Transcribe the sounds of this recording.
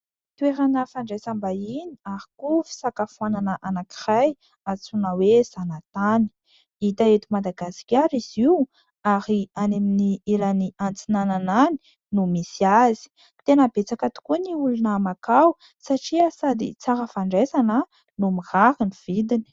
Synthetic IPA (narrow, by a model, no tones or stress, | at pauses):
t̪ueɾanəfaɳɖ͡ʐesambainiaɾikufi̥sakafuananəʔanakiraj | at͡sunəwez̥anat̪ani̥ | it̪aet̪imad̪aɡasi̥kʲaɾiziw | aɾianeminiilaniant͡sinananani̥ | numisiazi̥ | t̪enəbet͡sakat̪u̥kuniulunəmakaw | saʈ͡ʂiəsad̪ḭt͡saɾəfaɳɖ͡ʐesanə | numihaɾiniv̥id̪ini̥